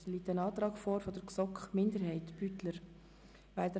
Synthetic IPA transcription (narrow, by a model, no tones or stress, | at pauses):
liːtənɑːt̪ɾɑːɡ̥foːɾfɔd̥əɾksɔkχmɪndəɾɦɛɪtb̥ytləɾ | ʋæɪld̪ə